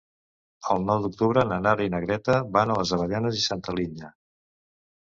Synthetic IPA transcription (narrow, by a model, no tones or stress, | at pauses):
əlˠnɔwd̪uk̚t̪uβ̞ɾənənaɾinəɣɾɛt̪əβanələzəβəʎanəzisant̪əliɲə